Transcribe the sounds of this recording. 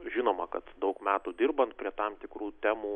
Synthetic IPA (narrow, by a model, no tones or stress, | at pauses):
ʒʲɪnoːmɐkɐt̪d̪ɐʊkmʲæːt̪uːd̪ʲɪrbɐnt̪̚pʲɾʲiɛt̪ɑmt̪ʲɪkɾuːt̪ʲæːmuː